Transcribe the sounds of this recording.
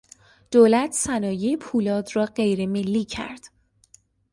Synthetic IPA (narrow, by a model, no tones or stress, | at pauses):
d̪̥oːlæt̪ʰsænɒːjeepʰuːlɒːd̪rɒːɢe̞jɾe̞me̞lːiːcʰæ̰ɾd̪̥